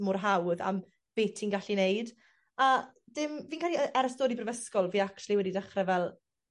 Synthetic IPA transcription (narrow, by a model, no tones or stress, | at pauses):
mʊrɦawða̰m | b̥eːtʰinɡaɬinejd | ad̥ɪmviːnkaːliəʔɛɾəstoːɾibrəvəskɔlˠviːakt͡ʃʰulˠiwɛdidaχrɛvɛlˠ